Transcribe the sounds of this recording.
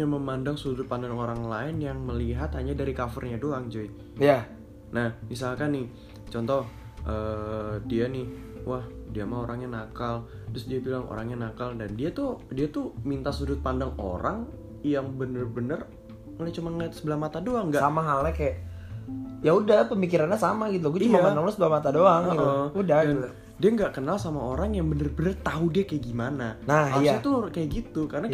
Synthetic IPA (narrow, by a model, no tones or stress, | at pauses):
ɲaməmandaŋsudʊt̪̚pandaŋoɾaŋlaɪnjaŋməliɦat̪haɲadaɾikafərɲadoaŋd͡ʒui | ja | nahmis̬alkanɪ | t͡ʃɔnt̪ɔh | ʔəːdianɪhwahdiamaoɾaŋɲanakal | t̪ɾʊsdiabilaŋo̰ɾaŋɲanakaldandiat̪udiat̪umint̪asudʊt̪̚pandaŋo̰ɾʔaŋ | jaŋbənərbənər | lat͡ʃumanat̪səbəlahmat̪adoaŋɡasamaɦalakajaʔ | jaudahpəmikiɾanɲasamaɡit̪̬uɡuat͡ʃumaanaŋlasəbəlahmat̪adoaŋɡit̪əudahɡiu | diaŋɡaʔkənalsamaoɾaŋjaŋbənərbənərt̪audiakajaʔɡimananaalsat̪ukajaʔɡit̪ukaəna